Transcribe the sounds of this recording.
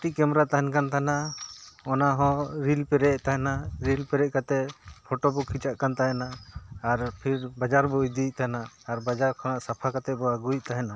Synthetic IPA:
ʈikɛmɾat̪aɦɛnkant̪ʰana | ɔnaɦɔ̃ɾilpɛɾɛʔt̪aɦɛnaɾilpɛɾɛʔkat̪ɛpʰɔʈɔbɔkʰit͡ʃaʔkant̪aɦɛnaːɾpʰiɾbad͡ʒaɾbɔid̪iʔt̪anaːɾbad͡ʒaɾkʰɔñaʔsapʰakat̪ɛbɔaɡujʔ̚t̪aɦɛna

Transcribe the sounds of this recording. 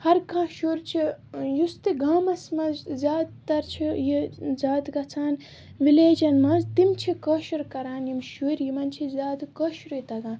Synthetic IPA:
hɐɾkãːʃuːɾt͡ʃʰijust̪iɡaːmɐsmɐ̃zzʲaːd̪t̪ɐɾt͡ʃʰijizʲaːd̪kɐt͡sʰaːn | ʋileːd͡ʒɐnmɐ̃zt̪imt͡ʃʰikɐʃuɾkɐɾaːnjimʃuːɾjimɐnt͡ʃʰizʲaːd̪kɐʃɾujt̪ɐɡãː

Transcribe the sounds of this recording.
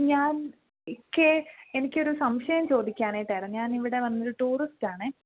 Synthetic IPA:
ɲaːn | ikʲːeenikʲːɨo̞ɾusɐmɕɐjɐmt͡ɕo̞ːd̪ikʲːaːnaːjiʈːaːjɾɐmɲaːniʋiɽe̞ʋɐnːɐoɾuʈuːristaːɳɨ

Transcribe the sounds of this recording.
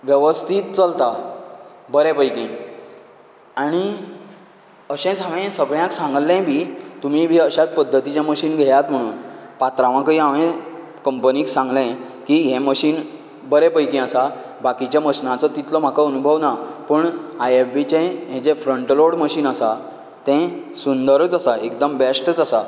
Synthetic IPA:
ʋjəʋəst̪ʰiːt̪̚t͡səlt̪a | bəɾepəjkĩ | aɽ̃i | əɕɛ̃t͡səʋɛ̃səɡɭjãksãŋɡlɛ̃bʱiːt̪um̤ibʱiːəɕat͡spəd̪ʱːət̪it͡ɕaməɕiːnɡʱejat̪m̤əɽ̃uːnpat̪ɾãʋãkəiaʋẽ | kəmpəniːksãŋɡlɛ̃ | kiɦɛ̃məɕiːn | bəɾepəjkĩəsa | bakit͡ɕjaməɕnãt͡sɔt̪it̪lɔm̤akəənubʱəʋnapəːɳajefbit͡ɕẽɦɛ̃t͡sefɾəɳʈloɽməɕiːnəsa | t̪ɛ̃sund̪əɾət͡səsaekd̪əmbesʈət͡səsa

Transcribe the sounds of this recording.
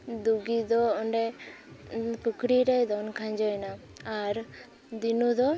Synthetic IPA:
d̪uɡid̪ɔɔɳɖɛ | pəkɽiɾɛjd̪ɔnkʰaɲd͡ʒɔjna | aɾ | d̪inud̪ɔ

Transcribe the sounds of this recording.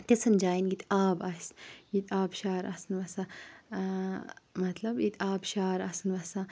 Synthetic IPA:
t̪isɨnd͡ʒaːjinɡit̪ʲaːbɐsʲjit̪ʰʲaːbʃaːɾɐ̰sɨnʋɐsã | mɐt̪lɐbjit̪ʲʰaːbʃaːɾɐsɨnʋɐsã

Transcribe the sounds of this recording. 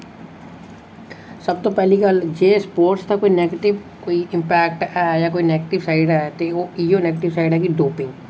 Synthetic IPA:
səb̚t̪opɛːliɡəld͡ʒeːspoːɾʈst̪akoːineːɡeʈɪʋ | koːiʔɪ̃mpɛːkʈɛːjaːkoːineːɡeʈɪʋsaːɪɖɛt̪eoːiːjoːneːɡʈɪʋsaːɪɖɦɛːkiɖoːpɪ̃ŋɡ

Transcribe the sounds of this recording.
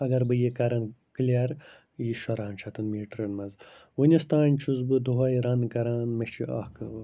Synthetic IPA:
ɐɡɐɾbɨjikɐɾɐnklʲeɾ | jiʃɐɾaːnt͡ʃʰɐt̪ʰɨnmiːʈɾɐnmɐnz | wunʲɐst̪aːnʲt͡ʃʰuzbɨd̪uɦɐjɾɐnkɐɾaːnmɐt͡ʃʰiʔa̰ːhkɐ

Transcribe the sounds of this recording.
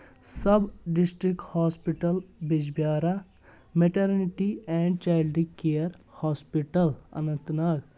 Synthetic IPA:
sɐbɖisʈɾikʈhɔːspiʈəlbid͡ʒbjaːɾa | meʈɐɾniʈiɛ̃ːɳɖ̚t͡ʃaːɪlɖikejəɾhɔːspiʈɐlɐ̰nɐ̃nt̪nɐk

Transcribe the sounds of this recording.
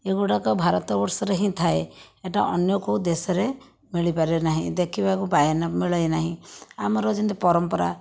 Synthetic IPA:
eɡuɽakɔbʱaɾɔt̪ɔbɔɾsɔɾeɦĩt̪ʰaeeʈaʔɔnjɔkud̪esɔɾe | miɭipaɾenaɦĩd̪ekʰibakubajɔnɔmiɭɔjnaɦĩamɔɾɔd͡ʒɔnt̪ipɔɾɔmpɔɾa̰

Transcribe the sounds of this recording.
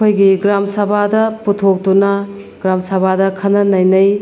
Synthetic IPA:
kʰojɡiɡɾamsɐbʱadɐputʰok̚tunɐ | ɡɾamsɐbʱadɐkʰɐnːɐnɐjnɐj

